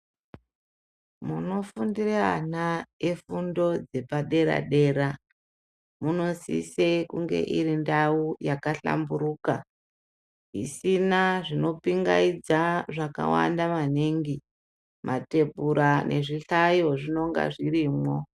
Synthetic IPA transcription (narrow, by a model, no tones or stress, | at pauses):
muno̞fundiranaefundo̞d͡ze̞paɗe̞ɾa̰ɗe̞ːɾa | muno̞sḭsekuŋɡe̞̰ʔiɾindaujakaɬa̰mbuɾuːka | ḭsinaʐino̞piŋɡaid͡zaʐaka̰wa̰ndamaniŋɡi | mʔate̞bʱuɾanʔe̞̰ʐiɬajo̞ʐino̞ŋɡa̰ʐiriːmwo̞